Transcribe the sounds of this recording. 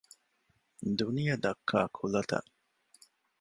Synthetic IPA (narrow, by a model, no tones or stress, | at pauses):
d̪unijɐd̪ɐkʰːaːkʰulɐt̪ɐ̰ʔ